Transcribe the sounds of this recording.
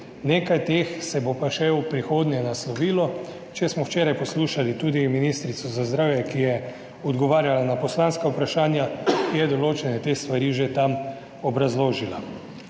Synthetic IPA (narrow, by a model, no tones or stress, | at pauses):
neːkajt̪eːxsɛbopaʃɛwpɾixoːd̪njɛnaslɔʋiːlɔ | t͡ʃɛsmɔwt͡ʃeːɾajpɔsluːʃalit̪uːd̪iminiːst̪ɾit̪sɔzazd̪ɾaːwjɛkijɛ | ɔd̪ɡɔʋaːɾjalanapɔslanskaupɾaʃaːnjajɛd̪ɔloːt͡ʃɛnɛt̪eːst̪ʋaɾiːʒet̪am | ɔbɾazloːʒila